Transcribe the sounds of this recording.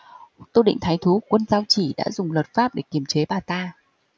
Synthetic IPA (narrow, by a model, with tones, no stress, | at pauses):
t̪u˧ɗḭ˧˨ŋ̟t̪ʰaː˨˦jt̪ʰu˨˦kwə˧nzaː˧wt͡ɕi˧˩ɗa̰ː˧˥zʊ˨˩ŋ͡mlə˨˩t̚faː˦˥p̚ɗe˧˩ki˧˩əmt͡ɕe˨˦ɓaː˨˩t̪aː˧